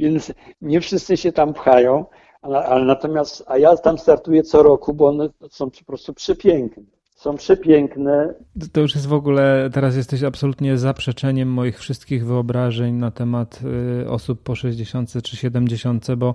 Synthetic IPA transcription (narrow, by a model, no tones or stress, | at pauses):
vʲjɛnt̪s | ɲɛfʂɘst̪sɘɕɛt̪ampxajɔ̃w̃ | aɛalɛnat̪ɔmʲjast̪ajat̪amst̪aɾt̪ujɛt̪sɔɾɔkubɔɔnɛsɔ̃w̃pɔ̥pɾɔst̪upʂɛpʲjɛŋknɛ | sɔ̃w̃pʂɛpʲjɛŋknɛ | t̪ɔjuʂjɛst̪vɔɡulɛt̪ɛɾas̬jɛst̪ɛɕapsɔlut̪ɲɛzapʂɛt͡ʂɛɲɛmːɔjixfʂɘst̪kʲiɣvɘɔbɾaʐɛɲnat̪ɛmat̪ɔ̰supːɔʂɛʑd͡ʑeɕɔnt̪sɛt͡ʂɘɕɛd̪ɛmd͡ʑeɕɔnt̪sɛbɔ